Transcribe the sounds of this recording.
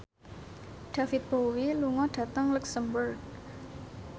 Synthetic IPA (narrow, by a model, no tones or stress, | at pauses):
ɖ̥afɪt̪̚b̥owiluŋɔɖ̥ä̤t̪əŋləksəmbərɡ̚